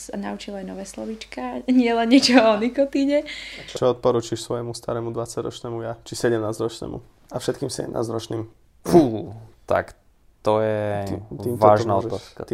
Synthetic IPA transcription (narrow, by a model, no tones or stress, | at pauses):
sana̰ut͡ʃilajnɔʋɛːslɔ̰ʋit͡ʃkaɲɪɛlɛnɲɛt͡ʃɔɔnikɔt̪iːɲɛt͡ʃɔt͡ʃɔɔt̪̚pɔɾuːt͡ʃiʃsʋɔjɛmust̪aɾɛːmud̪ʋat͡saɟɾɔ̰t͡ʃnɛːmujat͡ʃisɛɟɛmnaːzɾɔt͡ʃnɛ̰ːmṵ | afʃɛt̪̚kiːmsɛ̰ɟɛ̰mna̰ːzɾɔt͡ʃniːm | fult̪a̰k | t̪ɔjɛt̪it̪iːmʋ̪ɔaːʒnaɔt̪askat̪